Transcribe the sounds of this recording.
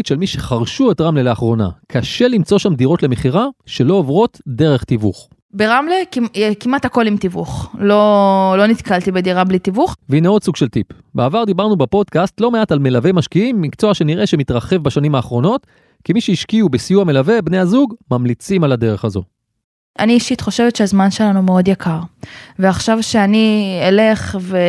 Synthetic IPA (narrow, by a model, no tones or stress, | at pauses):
tʃelmiʃe̞χaʁʃue̞tʁamlele̞aχʁo̞na̰kʰaʃe̞limt͡so̞ʃamdiʁo̞tle̞meχiʁaʃe̞lo̞ovʁo̞tde̞ʁe̞χt̪ivṵχ | beʁamlekkimathako̞limt̪ivṵχlolo̞nit̪kalt̪ibed̪iʁablit̪ivuχveineo̞d̪suɡʃe̞ltip | beavaʁd̪ibaʁnubepo̞d̪kastlo̞meatalme̞lave̞jmaʃkiimːikt͡so̞aʃe̞niʁʔe̞ʃe̞mit̪ʁɐχe̞vbaʃanimaːχʁo̞no̞t | kimiʃeiʃkiubesijuame̞lave̞bne̞jhazuɡmamlit͡simalade̞ʁe̞χazo̞̰ | ʔaniːʃitχo̞ʃe̞vetʃeazmanʃe̞lanumeo̞djakʰaʁveaχʃavʃeaniele̞χve